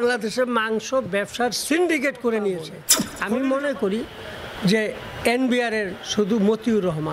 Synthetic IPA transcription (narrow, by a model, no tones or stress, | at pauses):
aŋlad̪eʃemaŋʃobɛbʃaɾsiɳɖik̬eʈkoɾenijet͡ɕʰeamimonekoɾi | d͡ʑe | enbiaɾeɾʃud̪ʱumot̪iuɾɔɦma